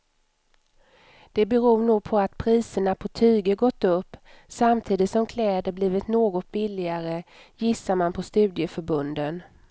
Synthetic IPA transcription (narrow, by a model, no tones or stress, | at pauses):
d̪̥ɛbɛɾuːɳuːɡ̚pʰɔat̪̚pʰɾiːsəɳapʰɔt̪ʰyːɡəɡɔt̪ːɵpː | samt̪ʰiːd̪ɪt̪sɔmkʰlɛːd̪əɾbliːvɪt̪noːɡɔt̪̚bɪlːɪaɾəjɪsːaɾmanpʰɔst̪ʉ̟ːd̪jəfœɾbɵnd̪ən